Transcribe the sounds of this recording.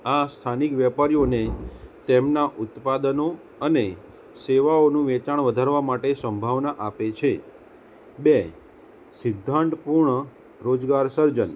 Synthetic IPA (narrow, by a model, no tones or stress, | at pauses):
ast̪ʰanikʋjɛpaɾijonet̪emnaʔut̪pad̪əno | əne | seʋaonũʋɛt͡ʃaɳʋəd̪ʱaɾʋamaʈesəmbʱaʋnaʔapet͡ʃʰe | be | sɪd̪ʱːaɳʈpuɾɳə | ɾod͡ʒɡaɾsəɾd͡ʒən